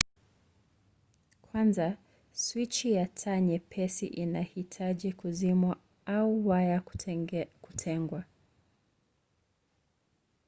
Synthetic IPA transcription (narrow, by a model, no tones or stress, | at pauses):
kʰwanza | swit͡ʃijatʰaɲɛpʰɛsḭʔinahitʰaʄikuzimwa | auwaja | kutʰɛŋɡwa